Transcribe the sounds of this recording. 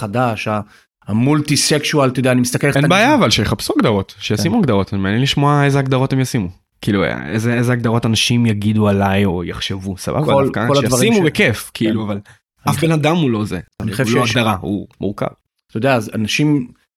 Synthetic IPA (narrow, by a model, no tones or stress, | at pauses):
χadaʃa | amult̪isekʃualt̪ojod̪eanimist̪akeleenbeːjaːvalʃejeχapsuaɡd̪aʁo̞tʃejasimuaɡd̪aʁo̞tanimeanjɛnliʃmoae̞zeaɡd̪aʁo̞temjasimu | kiilṵezeezeaɡ̚d̪aʁo̞tanaʃimjaɡidualajo̞̰jaχʃevusa̰ba̰blkaoladjavasiimubekefkʰiʔiluaval | afbenad̪amulo̞zeniχlaɡd̪aʁaṵmuʁka̰v | t̪ojod̪eaːza̰naʃim